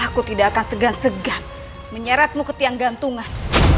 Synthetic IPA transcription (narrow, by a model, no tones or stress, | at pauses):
kut̪idakansəɡansəɡan | məɲaɾat̪̚mukət̪iaŋɡant̪uŋan